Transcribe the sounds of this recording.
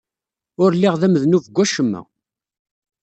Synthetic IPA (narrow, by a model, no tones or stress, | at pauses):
ʊɾlːiʁðæməðnuvəɡʷːæʃəmːæ̰